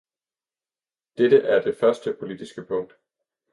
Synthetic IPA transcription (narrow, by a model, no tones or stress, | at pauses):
d̥ed̥əʔæɐd̥e̝fɶɐsd̥əpʰo̝lid̥isɡ̥əpʰɔ̽ŋ̰d̥